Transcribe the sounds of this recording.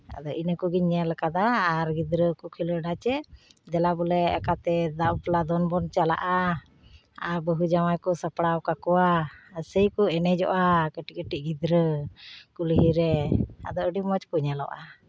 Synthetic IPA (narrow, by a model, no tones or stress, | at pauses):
a̰d̪ɔʔinəkuɡiɲɛlkad̪aːɾɡid̪ɾəkɔkʰiləɖat͡ʃɛd̪ɛlabɔlɛɛkat̪ɛd̪aplad̪ɔnbɔnt͡ʃala̰ʔa | aɾbəɦud͡ʒamajkɔsəpɽawkakɔwasəjkɔɛnɛd͡ʒɔ̰ʔakəʈiəʈiʔ̚ɡid̪ɾəkulɦiɾɛa̰d̪ɔəɖimɔt͡ʃpuɲɛlɔ̰ʔa